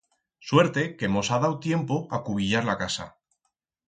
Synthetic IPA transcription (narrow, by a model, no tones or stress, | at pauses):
swe̞ɾt̪e̞ke̞mo̞sað̞awt̪je̞mpoakuβiʝaɾlakasa̰